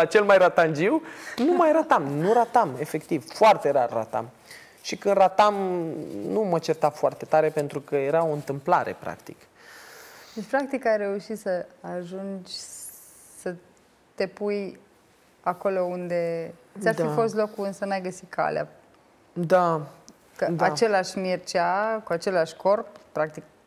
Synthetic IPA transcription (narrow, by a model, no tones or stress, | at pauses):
at͡ʃe̞lmajɾat̪and͡ʒiwnumajɾat̪amnuɾat̪ame̞fe̞kt̪ivfoart̪e̞ɾarːa̰t̪a̰m | ʃikɨnd̪rat̪am | numət͡ʃert̪afoart̪e̞t̪aɾe̞pe̞nt̪ɾukəje̞ɾao̞ɨnt̪ɨmplaɾe̞̰pɾa̰kt̪ik | d̪et͡ʃpɾak̚t̪ikajre̞uʃit̪səaʒund͡ʒʲ | sə | t̪e̞puj | ako̞lo̞und̪e̞ɨt̪sʲarfifo̞st̪lo̞kuɨnsənajɡəsikʰa̰lḛa̰ | d̪a | kəd̪at͡ʃe̞laʃʲmirt͡ʃakuat͡ʃe̞laʃʲko̞rpːɾak̚t̪ik̚